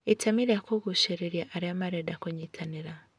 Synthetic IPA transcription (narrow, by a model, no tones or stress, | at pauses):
etʰamiɾjakoɣuʃeɾeɾjaʔːɾjamaɾedakuɲitʰaniɾa